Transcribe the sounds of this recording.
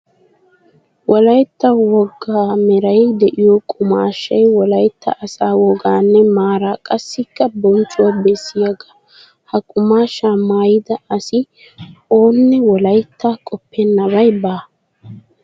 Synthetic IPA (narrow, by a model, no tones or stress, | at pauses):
wɔlɐjt̪ːɐwɔɡːaːmɛɾɐjd̪ɛʔɪjɔkʼʊma̰ːʃːɐjwɔlɐjt̪ːɐ̰ʔɐsaːwɔɡaːnːɛmaːɾaːkʼɐsːɪkːɐbɔnt͡ʃʼːʊwabɛsːɪjɐɡɐ̥ | hɐkʼʊmaːʃamaːjɪd̪ɐɐsɪ | o̞ːnːɛwɔlɐjt̪ːaːkʼɔpːɛnːɐβɐjbaː